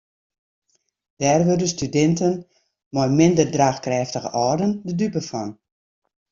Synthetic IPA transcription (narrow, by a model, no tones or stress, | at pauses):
d̥ɛːrʋørdəstydɛntən | mɔjmɪndərdraːxkrɛːftəɣə̰ʔɔːrdəndədypəfɔn